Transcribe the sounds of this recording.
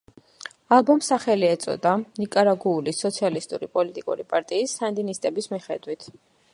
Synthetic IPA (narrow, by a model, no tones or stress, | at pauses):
alˠbɔmsaχɛliɛt̪sʼɔ̰d̪anikʼaɾaɡuːlisɔt̪sʰialist̪ʼṵɾipʼɔlit̪ʼikʼṵɾipʼaɾt̪ʼiːsːand̪inist̪ʼɛbismiχɛd̪wit̪ʰ